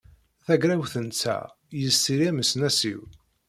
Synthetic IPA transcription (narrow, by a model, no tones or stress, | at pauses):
θæɡɾæwθənt͡sːæ̰ | jəstiɾiæməsnæsḭw